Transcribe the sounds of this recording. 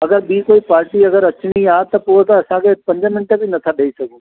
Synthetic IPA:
ɐɡəɾbiːkoːipaːɾʈiɐɡəɾɐt͡ʃɳiaːt̪ɐpuɾt̪aɐsãkʰepɐ̃ɲd͡ʒamɪnʈebʱinɐt̪ʰaɗeisɐɡũː

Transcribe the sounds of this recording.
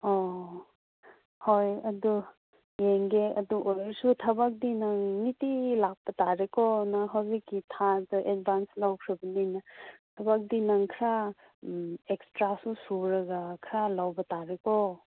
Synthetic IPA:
ɔ | hojɐdu | jeŋɡeɐduʔojɾsutʰɐbak̚dinɐŋnitilak̚pːɐtaɾekɔnɐɦawzikːitʰadɐʔed̚banslawkʰɾɐbɐninɐtʰɐbak̚dinɐŋkʰɾa | ekstɾasusuɾɐɡakʰɾalawbɐtaɾekɔ

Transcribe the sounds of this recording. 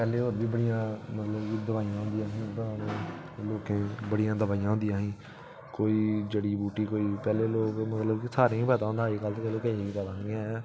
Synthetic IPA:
pɛːleːoːɾbiːbəɽɪjãːmət̪ləbkid̪əʋaːijãːɦʊ̃nd̪ijãːɦĩːt̪ãːnẽ | loːkẽːbəɽɪjãːd̪əbaːijãːɦʊ̃nd̪ijãːɦĩː | koːiːd͡ʒəɽiːbuːʈiːkoːiːpɛːleːloːkmət̪ləbkisaːɾẽːĩːpɛːt̪ãːɦnd̪aːiːkəlt̪ːkeloːkeːiiːpɛːd̪ãːɡãː

